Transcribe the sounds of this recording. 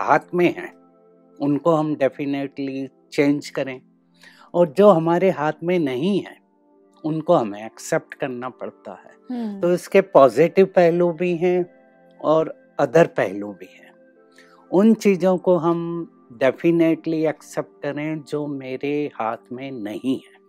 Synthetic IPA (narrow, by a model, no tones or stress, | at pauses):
ɦaːt̪ʰmẽɦɛ̰̃ː | ʊnkoɦɐmɖɛfɪneʈli | t͡ʃẽːnd͡ʒkɐɾẽ | ɔːɾd͡ʒoːɦɐmaːɾeɦaːt̪ʰmẽnɐɦĩɦɛ̰̃ː | ʊnkoɦɐmẽɐksɛp̚ʈkɐɾnapɐ̰ɽt̪a̰ɦɛ̰ːt̪oɪskepɔːzɪʈɪʋpɛɦlũbʱiɦɛ̃ | ɔːɾ | ɐd̪əɾpɛɦlũbʱiɦɛ̃ː | ʊnt͡ʃiːzõkoɦɐm | ɖɛfʰɪneʈliɐksɛp̚ʈ̚kɐɾẽd͡ʒoːmeːɾehaːt̪ʰmẽnɐɦĩɦɛː